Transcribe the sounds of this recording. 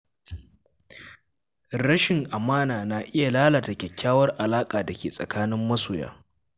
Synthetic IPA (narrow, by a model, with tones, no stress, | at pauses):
ɾɐ˦ʃɪ˨ŋʔa˨maː˦naː˨na˨ʔɪ˦ja˨laː˦la˨tɐ˨kʲɛ˨kʲːaː˦wɐ˦rʔa˨laː˦kʼaː˨dɐ˨kʲeː˨sʼɐ̰˨kaː˦nɪ˦mːɐ˦soː˨ja̰ː˦